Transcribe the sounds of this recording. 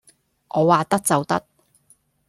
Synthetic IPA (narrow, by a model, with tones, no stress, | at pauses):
ʔɔː˨˧waː˨t̪ɐ˥t̚t͡sɐ˨wt̪ɐ˥t̚